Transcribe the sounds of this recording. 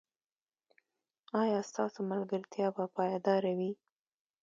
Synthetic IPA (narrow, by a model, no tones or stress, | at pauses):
ɑjɑst̪ɑsomalɡaɾt̪jɑbapɑjɑd̪ɑɾawi